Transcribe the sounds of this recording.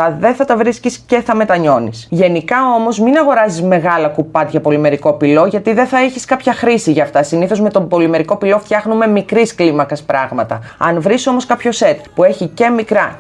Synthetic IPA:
ɐðe̞θɐt̪ɐvɾiscisce̞θɐme̞t̪ɐɲo̞nisʝe̞nikɐomo̞zminɐɣo̞ɾɐzizme̞ɣɐlɐkupɐt̪ʝɐpo̞lime̞ɾiko̞pilo̞ʝɐt̪iðeθɐeçiskɐpçɐxɾisiʝɐft̪ɐsiniθo̞zme̞t̪o̞bo̞lime̞ɾiko̞pilo̞ft̪çɐxnume̞mikɾisklimɐkɐspɾɐɣmɐt̪ɐ̰ɐ̰nvɾiso̞mo̞skɐpço̞se̞t̪pue̞çice̞mikɾɐ

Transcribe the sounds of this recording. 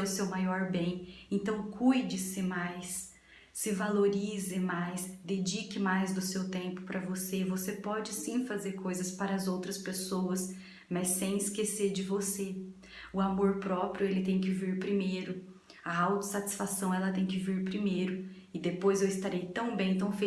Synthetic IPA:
ʊsewmajɔɾbẽj̃ẽnt̪ɐ̃w̃kʰujd͡ʒɪsɪmajsː | ɪvaloɾizɪmajsd̪ed͡ʒikɪmajzd̪ʊsewt̪ẽmpʊ̥pɾɐvosevosepɔd͡ʒɪsĩfazeɾkojzɐspaɾɐːzowt̪ɾɐspesowɐs | mɐsːẽj̃ɪskeseɾd͡ʒɪvose | ʊamoɾpɾɔpɾjʊelɪt̪ẽj̃k̬ɪviɾpɾimejɾʊ | ɐawt̪ʊ̥sat͡ʃi̥sfasɐ̃w̃ɛlɐt̪ẽj̃kɪviɾpɾimejɾʊ | ɪd̪epojzewɪst̪aɾejt̪ɐ̃w̃bẽj̃t̪ɐ̃w̃fe

